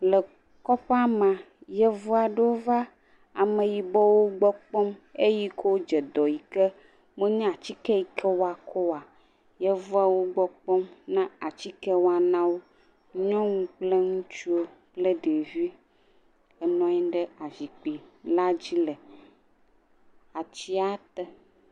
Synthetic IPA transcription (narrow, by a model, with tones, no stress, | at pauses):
lə˨ | kɔ˦pa˦mã˨jɛ˦vu˦a˨ɖə˦wo˦va˦ | a˨mə̃˨ji˨bɔ˦wo˦ɡ͡bɔ˦k͡pɔ˦me˦ji˦ko˦wo˦d͡ʒɛ˨d̪ɔ˨ji˨ke˦ | mẽ˦ɲɛ̃˦˨a˨t͡ɕi˦kɛ˦ji˨kʰɛ˦wo˦a˨kʰɔ˦wa˨ | jɛ˦vu˦a˨wo˦ɡ͡bɔ˦k͡pɔ˦mnã˦a˨t͡ɕi˦kɛ˦wo˦a˨nã˦wo˦ | ɲɔ̃˦ŋũ˦k͡ple˦ŋũ˦t͡ʃu˦o˦ | k͡ple˦ɖe˨vi˦ | ɛ˨nɔ̃˦ɛ˦ɖə˦a˨vi˨k͡pi˨la˦d͡ʑi˦lə˨ | a˨t͡ɕi˦a˦t̪ɛ˨